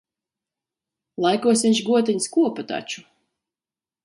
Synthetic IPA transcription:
lˠajkuɔsʲiɲʲʃɡuɔt̪ɛɲskuɔpat̪a̰t͡ʃu

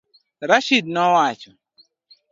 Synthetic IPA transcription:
ɾaʃid̚nɔwat͡ʃʊ

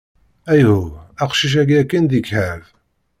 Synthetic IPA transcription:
æjhuæqʃiʃ̬æɡækːənd̪ikhæv

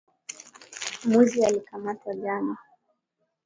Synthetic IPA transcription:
muzialikamatwaɠana

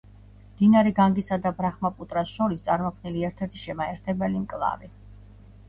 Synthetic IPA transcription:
md̪̥inaɾiɡaŋɡisad̪abɾaχmapʼut̪ʼɾasʃɔɾist̪sʼaɾmɔkʰniliɛɾt̪ʰɛɾt̪ʰi̥ʃɛmaɛɾt̪ʰɛbɛlimkʼlˠa̰vi

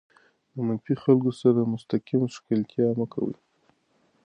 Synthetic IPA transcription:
d̪əmanfixalkosaɾamʊst̪akimʃkɪlkjɑmakʰa̰wə̰

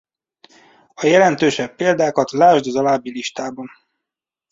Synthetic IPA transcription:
ɒjɛlɛnt̪øːʃɛpːeːld̪aːkɒt̪laːʒd̪ɒzɒlaːbːiliʃt̪aːbɒn

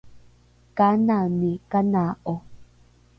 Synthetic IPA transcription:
kananikanaʔo

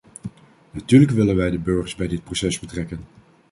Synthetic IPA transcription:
natyːɹləkʋɪlənʋɛjdəbøɹχəɹzbɛjdɪt̚prosɛzbətrɛkən

